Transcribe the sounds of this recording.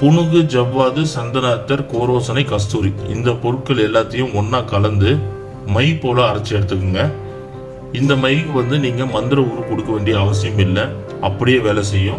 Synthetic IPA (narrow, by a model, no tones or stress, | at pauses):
pʊɳʊɣɯd͡ʒɐʋːaːðɯsɐnd̪ɐnaːt̪ːɐɾkoːɾoːsɐnɐɪkɐst̪uːɾiɪnd̪ɐpɔɾɯʈ̚kːɐɭɛlːaːt̪ːɐjʊ̃ɔnːaːkɐlɐnd̪ɯ | mɐɪpoːlɐɐɾɐt͡ʃːɪɛɽɯt̪ːɯk̬ːɯŋɡɐ | ɪnd̪ɐmɐɪkːɯʋɐnd̪ɯniːŋɡɐmɐnd̪ɪɾɐuːɾɯkɔɽɯkːɐʋeːɳɖɪjɐːʋɐs̬ɪjɐmɪlːɐ | ɐpːɐɽɪjeːʋeːlɐsɛjːʊ̃